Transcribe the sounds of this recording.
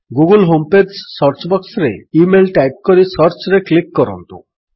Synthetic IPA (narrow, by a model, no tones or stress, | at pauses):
ɡuɡulɦompedsːɔɾt͡ʃbɔksɾḛimelʈajp̚kɔɾisɔɾt͡ʃɾeklikːɔɾɔ̰nt̪ṵ